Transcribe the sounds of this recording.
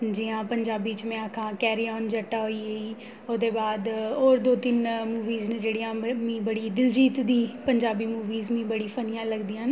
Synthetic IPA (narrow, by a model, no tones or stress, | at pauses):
d͡ʒiãːpəɲd͡ʒaːbiːt͡ʃmɛ̃ːakʰãːkɛːɾiːɔːnd͡ʒəʈːaːɦoːiːeiː | oːd̪eːbaːd̪oːɾd̪oːt̪ɪnmuːʋiːzneːd͡ʒeːɽijãːmĩːbəɽiːd̪ɪld͡ʒiːt̪d̪iːpəɲd͡ʒaːbiːmuːʋiːzmĩːbəɽiːpʰənijãːləɡd̪iːãːn